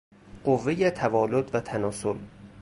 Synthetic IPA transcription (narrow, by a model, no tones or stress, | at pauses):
ɢ̥ovːejet̪ʰævɒːlod̪væt̪ʰænɒːsol